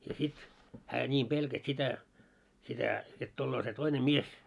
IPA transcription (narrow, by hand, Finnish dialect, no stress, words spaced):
jɑ sit hæː nʲiːm b̥elkæs sitæ sitæ jot tulːoː se toine mies